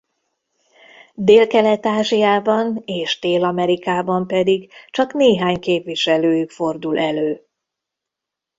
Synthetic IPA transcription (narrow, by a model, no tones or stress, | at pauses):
d̪eːlkɛlɛt̪aːʒijaːbɒneːʃd̪eːlɒmɛɾikaːbɒmpɛd̪iɡt͡ʃɒkneːɦaːɲkeːpʋiʃɛløːjykfo̞rd̪ulʔɛløː